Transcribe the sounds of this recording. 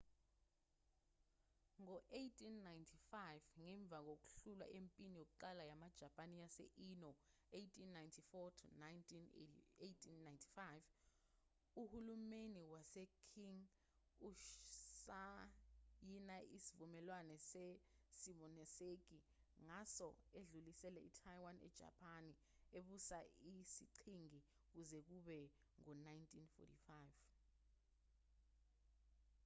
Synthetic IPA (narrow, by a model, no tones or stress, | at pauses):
ŋɔʔejtʰinːajntʰifajvŋɛɱb̪vʱak̬ok̬u̥ɬulwa̰ʔempʼinijok̬uǃalajamad̥ʒ̥ʱapʼanijasɛ̰ʔinɔ | ejtʰinːajntʰifɔtʰunajntʰinetʰinːajntʰi̥fajv | uhulumeniwasɛkʰiŋ | uʃsa | jinaisivumɛlwanɛsesimɔnɛsek̬i | ŋasɔeɮulisɛlɛḭtʰajwanɛ̰d̥ʒ̥ʱa̰pʰʼani | eɓusaisiǀʰiŋi | k̬uzɛk̬uɓɛ | ŋɔnajntʰʼinfɔ̰tʰifajv